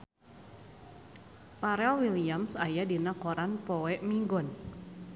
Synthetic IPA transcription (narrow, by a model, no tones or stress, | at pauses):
paɾɛlwiliamsajadinakɔɾanpɔwɛʔmiŋɡɔn